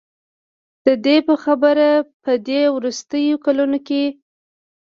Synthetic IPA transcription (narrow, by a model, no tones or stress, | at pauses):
d̪̥əd̪epəxabəɾapəd̪ewɾust̪əjokalunoke